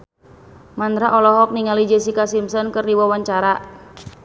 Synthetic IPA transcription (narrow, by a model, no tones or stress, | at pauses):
mand̪ɾaʔɔlɔɦɔk̚niŋalid͡ʒəsikasimsɔnkɨrdiwawaɲt͡ʃaɾa